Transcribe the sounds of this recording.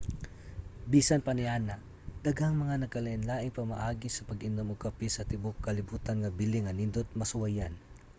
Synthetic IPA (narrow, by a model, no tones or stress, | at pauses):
biːsanpɐniaːna | d̪̥ɐɡaŋmɐŋanɐkɐlɐʔɪnlaːʔɪŋpɐma̰ʔaːɡɪsɐpɐɡɪnomoɡkapisɐt̪ɪbokːɐlɪbuːt̪anŋɐbɪliŋɐnɪnd̪ot̪̚mɐsʊwajan